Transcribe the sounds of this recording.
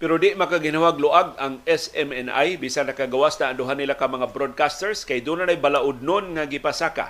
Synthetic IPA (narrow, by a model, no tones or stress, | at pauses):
pɛɾod̪ɪʔmɐkaɡɪnawaɡ̚lʊʔaɡaŋɛsɛmɛnʔa̰jbiːsanɐkaɡawasnaːŋd̪ʊɦanːɪlakɐmɐŋabɾod̪̚kast̪ɛɹskajd̪uːnanajbalaʔʊd̪̚nonŋaɡɪpasaka̰